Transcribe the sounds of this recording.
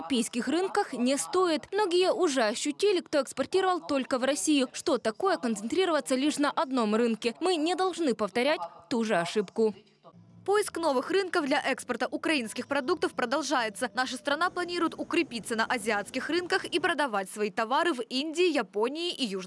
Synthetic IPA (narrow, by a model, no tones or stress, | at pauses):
ɐpʲejskʲɪxrɨnkəxnʲɪst̪oɪt̪mno̞ɡʲɪjəʔʊʐɛɐɕːʊtʲilʲɪkt̪o̞ɛkspɐrtʲiɾəvɐlˠt̪o̞lʲkəvrɐsʲijʊʂt̪o̞t̪ɐko̞jəkənt̪sɨnt̪ɾʲiɾəvət̪sːəlʲiʂnɐʔɐd̪no̞mrɨnkʲɪmɨnʲɪd̪ɐlˠʐnɨpəft̪ɐɾʲæt̚ʲt̪uʐɨɐʂɨpkʊ | po̞jɪskno̞vɨxrɨnkəvd̪lʲɐʔɛkspərt̪əʔʊkɾɐinskʲɪxpɾɐd̪uk̚t̪əfpɾəd̪ɐlˠʐajɪt̪sənaʂəst̪ɾɐnaplˠɐnʲiɾʊjɪt̪ʊkɾʲɪpʲit̪sːənɐʔɐzʲɪat̪skʲɪxrɨnkəxipɾəd̪ɐvatʲsvɐit̪ɐvaɾɨvinʲdʲɪːjɐponʲɪːʔiju